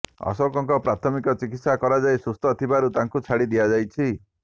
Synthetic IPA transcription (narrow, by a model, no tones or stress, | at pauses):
ɔ̰sɔkɔŋkɔpɾat̪ʰɔmikɔt͡ʃikit̪sakɔɾad͡ʒajsust̪ɔt̪ʰibaɾut̪aŋkut͡ʃʰaɽid̪ijad͡ʒajt͡ʃʰi